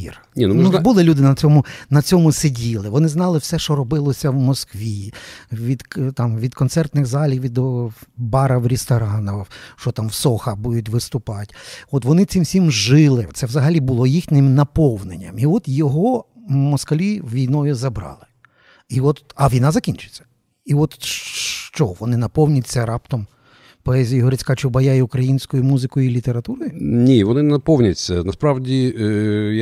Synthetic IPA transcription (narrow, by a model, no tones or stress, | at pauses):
ḭrʲ | nnubulˠɪlʲud̪ɪnɐt͡sʲɔmʊnɐt͡sʲɔmʊsedʲilˠɪʋɔnɪznɑlˠɪwsɛʃt͡ʃɔɾɔbɪlˠɔsʲɐwmɔskʋʲiʋʲid̪t̪ɑmʋʲid̪kɔnt̪sɛrt̪nɪɣzɑlʲiwʋʲid̪ɔbɑɾɐwɾʲɪst̪ɔɾɑnɔwʃt͡ʃɔt̪ɑmwsɔxɐbud̪ʊt̚ʲʋɪst̪ʊpɑtʲɔt̪ʋɔnɪt͡s̪ʲsimsʲimʒɪlˠɪt̪sɛʋzɐɦɐlʲibʊlˠɔjixnʲɪmnɐpɔwnenʲːɐmiɔt̪jɔɦɔ | mɔskɐlʲiʋʲijnɔjʊzɐbɾɑ̰lˠɪ | iɔt̪ɐʋʲijnɑzɐkʲinʲt͡ʃʊ̥t͡sʲːɐ̥ | iɔt̪ʃt͡ʃɔʋɔnɪnɐpɔwnʲɐtʲt͡sʲːɐɾɑpt̪ɔm | pɔɛzʲijɦɔɾɪt͡sʲkɑt͡ʃɪbɐjajiʊkɾɐjinʲsʲkɔjʊmuzɪkɔjʊilʲit̪eɾɐt̪uɾɔjʊnʲiʋɔnɪnɐpɔwnʲɐtʲsʲɐnɐspɾɑwdʲi